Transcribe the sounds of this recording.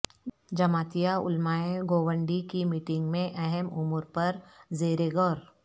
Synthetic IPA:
d͡ʒɐmaːt̪ijaʊ̰lmaːẽɡoːwə̃ɳɖikimiːʈɪ̃ŋɡmẽʔɛɦɛmʊmuɾpɐɾzeːɾeɡɔːɾ

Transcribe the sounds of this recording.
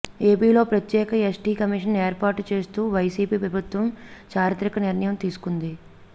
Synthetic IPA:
e̞ːpiːlo̞ːpɾɐt̪jɛːkɐesʈiːkɐmiʂɐneːɾpaːɾʈut͡ʃe̞ːst̪uːʋɐjsiːpiːpɾɐbʱut̪ʋɐmt͡ʃaːɾjɐt̪ɾikɐniɾɳɐjɐmt̪iːsu̥kund̪i

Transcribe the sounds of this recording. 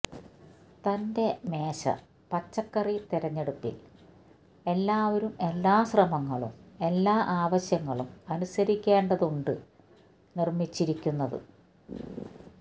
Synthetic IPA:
t̪ɐnde̞me̞ːɕɐ̰ | pɐt͡ɕːɐkːɐrit̪iɾɐɲːe̞ɽupːḭl | e̞lːaːʋɐɾumelːaːɕrɐmɐŋːɐɭṵme̞lːaːʔaːʋɐɕjɐŋːɐɭumɐnusɐɾikʲːeːɳɖɐðuɳɖɨ | nirmit͡ɕːiɾikʲːunːɐðɨ̰

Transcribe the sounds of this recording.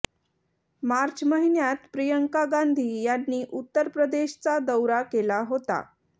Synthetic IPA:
maɾt͡ɕməɦinjat̪pɾijəŋkaɡand̪ʱiːjanːiːʔut̪ːəɾpɾəd̪eɕt͡sad̪əwɾakelaɦot̪a̰

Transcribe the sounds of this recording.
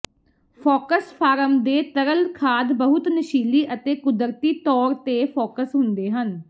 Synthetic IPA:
pʰoːkəspʰaːɾəmd̪eːt̪əɾəlkʰaːd̪bəɦʊt̪nəʃiːliːʔət̪eːkʊd̪əɾt̪iːt̪ɔːɾt̪eːpʰoːkəsɦʊnd̪eːɦən

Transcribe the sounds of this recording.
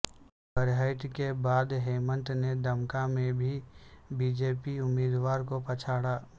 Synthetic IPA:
bəɾɦəɪt̪kebaːd̪ɦeːmə̃nt̪ned̪ɐmkamẽbʱibiːd͡ʒeːpiʊmːiːd̪waːɾkopɐt͡ʃʰaːɽaː

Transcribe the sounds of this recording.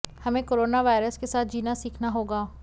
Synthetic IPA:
hɐmẽkoːɾoːnaʋaːɪɾəskesaːt̪̚ʰd͡ʒiːnasiːkʰnaɦoːɡaː

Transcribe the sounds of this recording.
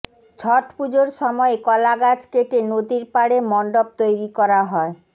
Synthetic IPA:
d͡ʑʱʰɔʈpud͡ʑoɾʃɔmɔekɔlaɡad͡ʑkeʈenod̪iɾpaɽemɔɳɖob̚t̪ojɾikɔɾaɦɔe

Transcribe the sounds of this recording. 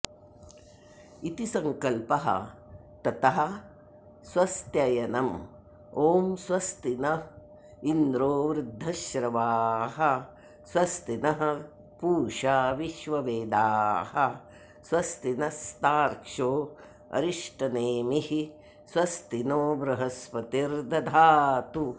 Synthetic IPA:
it̪isɐŋkɐlpɐɦɐ̰ | t̪ɐt̪ɐɦɐ̆ | swɐst̪jɐjɐnɐm | oːmswɐst̪inɐ | ind̪ɾoːʋɾud̪ʱːɐʃɾɐʋaːɦɐ | swɐst̪inɐɦɐ̆ | puːʃaːʋiʃʋɐʋeːd̪aːɦɐ | sʋɐst̪inɐst̪aːɾkʂoː | ɐ̰ɾiʂʈɐneːmihi | swɐst̪inoːbɾɐɦɐspɐt̪iɾd̪ɐd̪ʱaːt̪u

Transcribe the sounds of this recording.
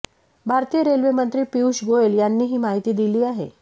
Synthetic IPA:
bʱaɾt̪iːjəɾelʋemənt̪ɾiːpiuɕɡoeljanːiːɦiːmaɦit̪iːd̪iliːaɦḛ

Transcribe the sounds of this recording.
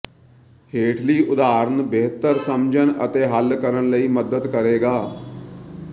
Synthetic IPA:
heːʈʰliːʔʊd̪aːɾənbeɦt̪əɾsəmd͡ʒənə̰t̪eːɦəlkəɾənləiːməd̪əd̪kəɾeːɡaː

